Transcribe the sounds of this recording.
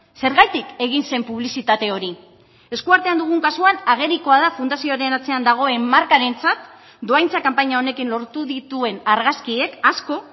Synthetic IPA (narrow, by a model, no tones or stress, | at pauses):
se̞ɾɣajt̪ike̞ɣ̞inse̞mpuβ̞lisit̪at̪e̞o̞ɾi | e̞skuaɾt̪e̞and̪uɣuŋkasuanaɣ̞e̞ɾiko̞aðafund̪asioaɾe̞nat͡se̞and̪aɣ̞o̞e̞mːaɾkaɾe̞nt͡sat̪ | d̪o̞ajnt͡sakampaɲao̞ne̞kinlo̞ɾt̪uðit̪ue̞naɾɣaskie̞kasko̞